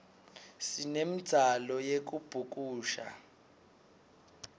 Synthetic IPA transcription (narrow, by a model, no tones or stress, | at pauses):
sinemi̥alɔjek̬ub̥ʱuk̬ʼuːʃa̰